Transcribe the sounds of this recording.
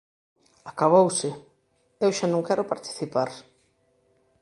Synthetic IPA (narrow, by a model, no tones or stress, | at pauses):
akaβowsɪ | ewʃanõŋkɛɾʊpaɾt̪i̥θipaɾ